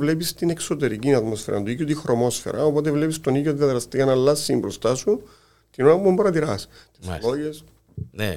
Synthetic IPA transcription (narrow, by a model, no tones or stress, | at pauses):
vlepist̪ine̞kso̞t̪e̞ɾicinɐt̪mo̞sfeɾɐ̰nd̪uikːot̪ixɾo̞mo̞sfe̞̰ɾɐ̰o̞po̞t̪evle̞pist̪o̞nioðiɐðɾɐst̪ijɐnɐlːɐsːimbɾo̞st̪ɐsu | t̪inonɐppombɐɾɐt̪iɾɐs | t̪islo̞ʝes | ne